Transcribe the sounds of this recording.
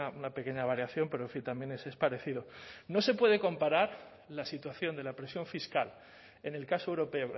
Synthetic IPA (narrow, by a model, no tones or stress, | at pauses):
aunape̞ke̞ɲaβ̞aɾjaθjo̞mpeɾo̞eɱfint̪ambje̞nese̞spaɾe̞θið̞o̞no̞se̞pwe̞ðe̞ko̞mpaɾaɾ | lasit̪waθjo̞nd̪e̞lapɾe̞sjo̞ɱfiskal | e̞ne̞lkasoewɾo̞pe̞o